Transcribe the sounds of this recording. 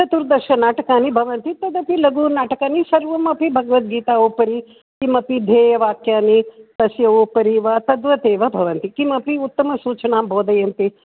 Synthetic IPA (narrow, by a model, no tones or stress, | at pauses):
tɐt̪uɾd̪ɐʃɐnaːʈɐkaːnibʱɐʋɐnt̪it̪ɐd̪ɐpilɐɡuːnaːʈɐkaːnisɐɾʋɐmɐpibʱɐɡɐʋɐt̪̚ɡiːt̪aːoːpɐɾi | kimɐpid̪ʱeːjɐʋaːkjaːnit̪ɐsjɐʋoːpɐɾiʋɐt̪ɐd̪ʋɐt̪eːʋɐbʱɐʋɐnt̪ikimɐpiut̪ːɐmɐsuːt͡ʃɐɳaːmbʱoːd̪ɐjɐnt̪i